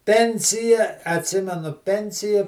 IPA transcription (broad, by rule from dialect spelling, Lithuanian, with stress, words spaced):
ˈpʲɛnʲsʲɪjɛ ɐtʲˈsʲɪmʲɛnʊ ˈpʲɛnʲsʲɪjɛ